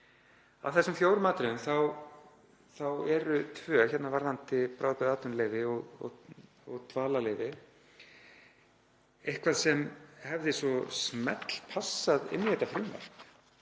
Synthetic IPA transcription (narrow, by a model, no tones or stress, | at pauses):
a̰vθɛsːʏmfjoːwɾmaːt̪ɾɪnʏmθaw | θawɛɾʏt̪ʰvœːçɛt̪navaɾðant̪ɪpɾaːwpɛðaːt̪ʏnleːjvɪɔɣɔ̰ɣ | ɔɣt̪ʰvaːlaleːjvɪ | ehkʰvaðsɛmhɛvðɪsvɔsmɛ̰t̪l̥pʰasːaðɪ̰nːɪhɛt̪ːafɾʏmvɛ̰r̥k